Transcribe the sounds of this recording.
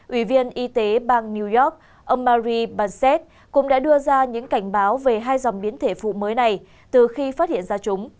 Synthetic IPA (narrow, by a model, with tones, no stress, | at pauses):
ʔwi˧˩vi˧ənʔi˧t̪e˨˦ɓaː˧ŋni˧wzɔ˦˥k̚ | ʔə˧mːaː˧zi˧ɓaː˧nsɛ˦˥t̚ | kʊ̰˧˥ŋ͡mɗa̰ː˧˥ɗɨ˧əzaː˧ɲɨ̰˧˥ŋka˧˩jŋ̟ɓaː˨˦wve˨˩ɦaː˧jza˨˩wŋ͡mɓi˨˦ənt̪ʰe˧˩fṵ˧˨məː˨˦jna˨˩j | t̪ɨ˨˩xi˧faː˦˥t̚hḭ˧˨ənzaː˧t͡ɕʊ˨˦ŋ͡m